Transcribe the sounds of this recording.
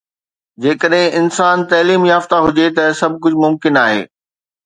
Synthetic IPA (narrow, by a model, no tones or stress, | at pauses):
d͡ʑeːkəɗɦɪ̃ʔɪnsaːnt̪ɐːliːmjaːft̪aɦʊd͡ʑet̪ɐsɐb̚ʱkʊd͡ʑʱmʊmkɪnaːɦḛː